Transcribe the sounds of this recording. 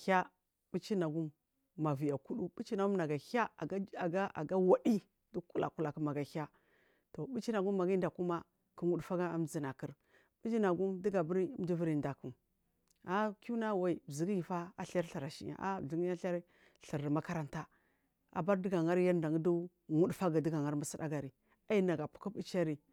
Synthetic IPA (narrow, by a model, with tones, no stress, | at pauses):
ha˦ | bi˦t͡ʃi˦na˨ɡu˦mː | a˨vi˨ja˨ku˦ɗu˦bu˦t͡ʃi˦na˨ɡu˦na˨ɡa˨ha˦˨˦a˨ɡa˦ʔa̰˨ɡa˦wa˨di˦ | du˦ku˦la̰˨ku˦la˨ku˦ma˨ɡa˨ha˦ | to˨bu˦t͡ʃi˦na˨ɡu˦mː˦a˨ɡi˦n˦da˨ku˦ma˦ | ki˦wu˦dfa˦ɡa˦a̰˦mzi˦na˨ki˦ɾ | bi˦d͡ʒi˦na˨ɡu˦mdi˦ɡa˨bu˦ɾi˦m˦di˦vi˦ɾi˨nda˨ku˨m | a˦ku˦na˦wa˨i˨bzi˨ɡi˦ji˨fa˦a˦ɬa˦ɾɬi˨ɾa˨ʃḭ˦ja̰˨ʔa̰˦˨ɮi˦ɡi˦a˦ɬa˦ɾ | ɬi˨ɾma˦ka˦ɾa˦nta˦ | a̰˨ba˦ɾdi˦ɡa˨ŋa˦ɾja˦nda˨ŋ˦du˦ | ŋu˦dfa˦ɡa˨di˦ɡa˨ŋa˦ɾma˦si˦da̰˦ɡa˨ɾi˨ | a˦i˦na˨ɡa˨pu̥˨˦ku˦bi˦t͡ʃa˦ɾi˨